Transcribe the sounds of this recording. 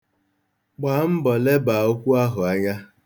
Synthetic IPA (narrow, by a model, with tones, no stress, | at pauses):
k͡pa˨˦m̩˦bɔ˨le˦ba˨o˦kʷu˦a˦ɦʊ˨a˦ɲa˦